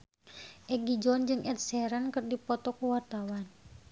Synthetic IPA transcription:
ʔɛɡid͡ʒɔnd͡ʒɨŋʔɛt̪̚sɛɾənkɨrdipɔt̪ɔkuwart̪awan

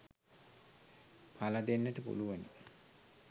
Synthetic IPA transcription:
pʰalɐd̪enːəʈəpṵluʋəni

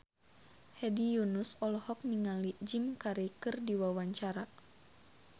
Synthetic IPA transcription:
hɛdijunusɔlɔhɔk̚niŋalid͡ʒimkaɾekɨrdiwawaɲt͡ʃaɾa

